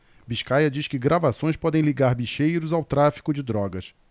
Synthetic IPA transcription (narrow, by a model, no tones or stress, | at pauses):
biʃkajɐd͡ʒiʃkɪɡɾavasõj̃spɔd̪ẽj̃liɡaɾbiʃejɾʊzawt̪ɾafi̥kʊd͡ʒɪd̪ɾɔɡɐs